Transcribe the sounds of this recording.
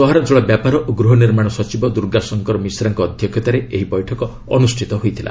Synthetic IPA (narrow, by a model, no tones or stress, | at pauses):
sɔɦaɾad͡ʒɔɭabjapaɾɔʔoɡɾuɦɔniɾmaɽ̃ɔsɔt͡ʃibɔd̪uɾɡasɔŋkɔɾɔmisɾaŋkɔːd̪ʱjɔkʰjɔt̪aɾeeɦibɔjʈʰɔkɔ | ɔnusʈʰit̪ɔɦojt̪ʰila̰